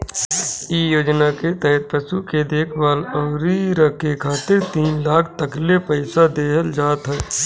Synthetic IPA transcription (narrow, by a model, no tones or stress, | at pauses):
iːjoːd͡ʒnaket̪ɛɦət̪̚pəsuked̪eːkʰʋaːlɔːɾiɾɐkːekʰaːt̪ɪɾt̪iːnlaːk̚ʰt̪əklepəɪsad̪eːɦəld͡ʒaːt̪ɦɛː